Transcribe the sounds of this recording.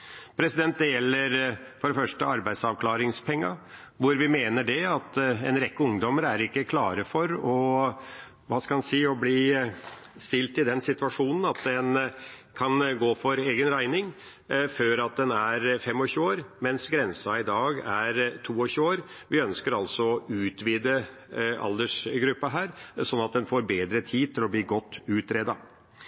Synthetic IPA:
pʰɾɛsɪd̪ɛnt̪̚d̪ɛjɛlːəɾfɔɖɛfœʂʈəɑɾbæɪd̪sɑʋkʰlɑːɾɪŋspʰɛŋːɑ | ʋʊɾʋɪmeːnəɖɛɑt̪ɛnɾɛkːəʊŋd̪ɔməɾæɾɪkːəkʰlɑ̰ːɾəfɔɾɔ | ʋɑːskɑmɑnsiːɔbliː | st̪ɪlt̪ɪd̪ɛnsɪt̪ʉʋɑʂuːnən̩ɑt̪d̪ɛnkʰɑnɡoːfɔɾeːɡənɾæɪnɪŋ | føːɾɑt̪̚d̪ɛnæɾfɛmːɔçʉːoːɾmɛnsɡɾɛnsɑɪd̪ɑːɡæɾt̪ʰuːɔçʉːoːɾ | ʋɪœnskəɾɑlsɔɔʉːt̪ʋiːd̪ə | ɑ̰ld̪əʂɡɾʉpːəɦæːɾsɔnːɑt̪̚d̪ɛnfoːɾbeːd̪ɾət̪ʰiːd̪̚t̪ʰɪlɔbliːɡɔt̪ːʉːt̪ɾeːd̪ɑ

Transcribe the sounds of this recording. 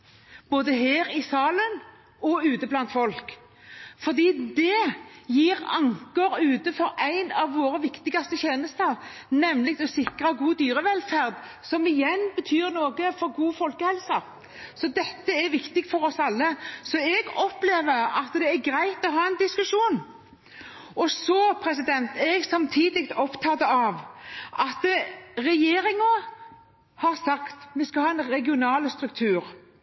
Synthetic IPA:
b̥oːd̪əɦeːɾɪsɑːlən | ɔʉːt̪əblɑnt̪fɔlk | fɔʁd̪iːd̪ɛjiːʁɑŋkəɾʉːt̪əfɔɾæɪnɑʋːoːɾəʋɪkt̪ɪɡɑst̪əç̪eːnəst̪əɾnɛmlɪk̚t̪ɔsɪkɾɑɡuːd̪yːʁəʋɛlfæʁd̪ | sɔmɪjɛnbət̪ʰyːɾnoːɡəfɔɾɡuːfɔlkəhɛlsɑ | sɔd̪ɛt̪ːəɛɾʋɪkt̪ɪɡfɔɾɔsɑlːəsɔɛɡɔpleːʋəɾɑt̪d̪ɛæɾɡɾæɪt̪ɔɦɑːɛnd̪ɪskʉʂuːn | ɔsɔpʰɾɛs̬ɪd̪ɛnt̪ɛɡsɑmt̪ʰiːd̪ɪk̚t̪ɔpt̪ʰɑːd̪əɑʋʔɑt̪ɾɛjeːɾɪŋɑ | hɑɾsɑkt̪mɛskɑhɑːɛnɾɛɡɪʊnɑːlst̪ɾʉkt̪ʰʉːɾ

